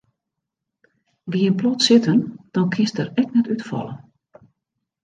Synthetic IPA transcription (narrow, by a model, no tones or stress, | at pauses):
ʋiənplɔtsɪtənd̥ɔnkʰɪstəɾɛk̚nɛtytfɔ̰lˠə̰n